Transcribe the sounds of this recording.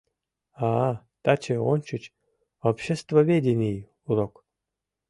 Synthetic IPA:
a | t̪at͡ɕeonʲt͡ɕɨt͡ɕ | opɕest̪vovʲedʲɪnʲij | uɾok

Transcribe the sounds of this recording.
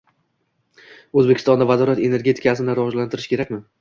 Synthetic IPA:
ɵzbekʰʲɪ̥st̪ɒnd̪avazɒɾat̪e̞ne̞ɾɡʲe̞t̪ʰɪ̥kʲʰasɪnɪɾavɒd͡ʒlant̪ʰɪɾɪʃkʲʰe̞ɾakʲmɪ

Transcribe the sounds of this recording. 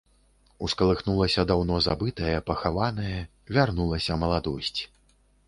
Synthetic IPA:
uskɐlˠɨxnulˠɐsʲɐd̪awnɔza̰bɨt̪ɐjɐpɐxavanɐjɐ | vʲarnulˠɐsʲɐmɐlˠad̪ɔsʲt͡sʲi̥

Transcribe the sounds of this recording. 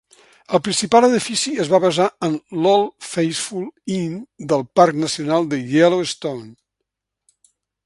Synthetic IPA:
əlˠpɾinsipalˠəðifisiəzβaβəzaənlɔlˠfejsfulˠind̪əlˠpaɾknəsiunalˠd̪əjɛloəst̪own

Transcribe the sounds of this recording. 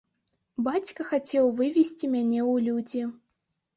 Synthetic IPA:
bat͡sʲkɐxat͡sʲɛwvɨvʲisʲt͡sʲimʲanʲɛwlʲud͡zʲi

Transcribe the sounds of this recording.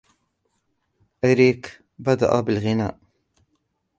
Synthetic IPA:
ʔaɾiːk | bad̪a̰ʔabɪlɣɪna̰ːʔ

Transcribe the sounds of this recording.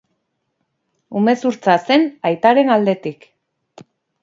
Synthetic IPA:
ume̞suɾt͡sase̞najt̪aɾe̞nald̪e̞t̪ik

